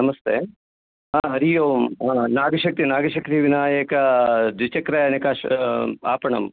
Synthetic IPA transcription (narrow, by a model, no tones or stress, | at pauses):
nɐmɐst̪eː | ɦãːɦɐɾijoːmɦãːnaːɡɐʃɐk̚t̪inaːɡɐʃɐkɾiʋinaːjɐkɐd̪ʋit͡ʃɐkɾɐjɐnɐkaːʃa̰ːpɐɳɐ̰m